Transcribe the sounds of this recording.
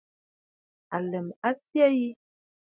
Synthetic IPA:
a˨lɛ˨ma˦sja˦ji˦

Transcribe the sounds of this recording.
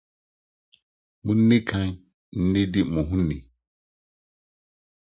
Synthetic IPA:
mũ˦n̩˦ne˦kʰã˦ɲ˦ | n̩˦ne˦dɪ˦mũ˨ɦũ˦ne˨

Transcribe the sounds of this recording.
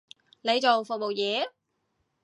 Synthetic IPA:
ne˨˧jt͡so˨wfʊ˨k̚mo˨˩wjɛː˨˧˥

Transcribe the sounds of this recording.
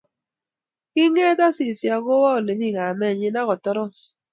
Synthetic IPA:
ki˦ŋɛ˦ta˦si˨sja˨ɡo˦wa˦o˨le˨mi˦˨ŋa˨mɛ˦˨ɲɪ˦na˦kɔ˨tɔ˦ɾɔ˦˨

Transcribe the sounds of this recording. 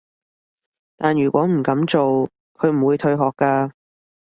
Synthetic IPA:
t̪aː˨njyː˨˩kʷwʷɔː˨˥m̩˨˩kɐ˨˥mt͡so˨w | kʰɵ˨˧ɥm̩˨˩wuː˨˧jt̪ʰɵ˧ɥɦɔː˨kːaː˧

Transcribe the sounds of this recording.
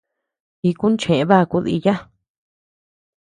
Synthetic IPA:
i˧ku˦n˦t͡ʃẽ˨ẽ˧˦βa˦˧ku˧ðḭ˧ja˦

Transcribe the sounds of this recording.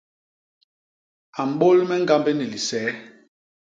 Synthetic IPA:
a˨m̩˨ɓo˦lmɛ˦ŋ̩˦ɡa˦mbe˦ni˨li˨sɛ˨˦

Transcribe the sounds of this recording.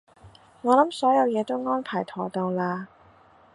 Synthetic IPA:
ŋɔː˨˧lɐ˨˥msɔː˨˥jɐ˨˧wjɛː˨˧t̪o˥wŋɔː˥npʰaː˨˩jt̪ʰɔː˨˩t̪ɔː˧ŋlaː˧

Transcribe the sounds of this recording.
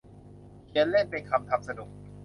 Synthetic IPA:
kʰi˧ənle˥˩npe˧nkʰa˧mt̪ʰa˦˧˩p̚sa˧du˨˩ək̚

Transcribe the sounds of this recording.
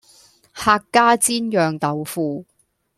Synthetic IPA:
haː˧kːaː˥t͡siː˥njœː˨ŋt̪ɐ˨˧wfuː˧

